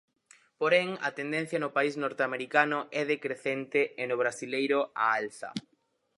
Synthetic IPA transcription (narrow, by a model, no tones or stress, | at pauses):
poɾɛŋɐ̰t̪end̪ẽn̟θjɐnʊpaiznɔɾt̪eameɾikanʊɛðekɾeθent̪eenʊβ̞ɾasilejɾʊa̰alθɐ̰